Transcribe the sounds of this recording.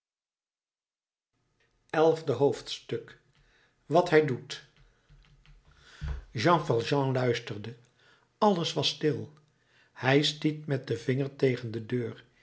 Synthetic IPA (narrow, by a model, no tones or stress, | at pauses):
ɛlˠvdəɦowftstɵk | ʋɑtɦɛjdut | ʒɑ̃vɑlˠʒɑ̃lœɥstəɹdə | ɑləsʋɑstɪlˠ | hɛjstitmɛt̚dəvɪŋəɹtejχəndədøːɹ